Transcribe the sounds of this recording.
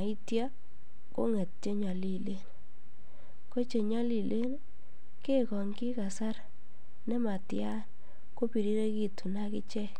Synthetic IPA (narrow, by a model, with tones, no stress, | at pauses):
a˨i˦tja˦ | ko̰˦ŋɛ˨t̚t͡ʃe˦ɲɔ˨li˦˨le˦n | ko˦t͡ʃe˨ɲɔ˦li˨le˦n | ke˦kɔ˨ŋkɪ˦ka˨sa˦ɾ | nɛ˦ma˨tja˦n | ko˦pi˨ɾi˦ɾe˦ki˦tu˨na˦kɪ̰˦t͡ʃɛ˦